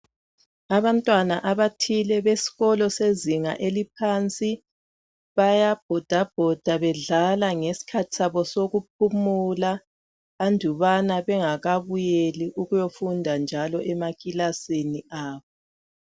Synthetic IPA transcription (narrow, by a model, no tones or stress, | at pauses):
aβantʼwanaʔaβatʰilɛβesi̥ɣɔlɔseziŋa̰ʔelipʰant͡sʼi | βajab̥ʱɔd̥ʱab̥ʱɔd̥ʱaβɛɮalaŋesi̥kʰatʰi̥saβɔsoɣup̚ʰumulaː | ndʱuβanaβɛŋaɣaβujeliʔuɣujofundʱand͡ʒʱalɔʔɛmakʼilaseniaːβɔ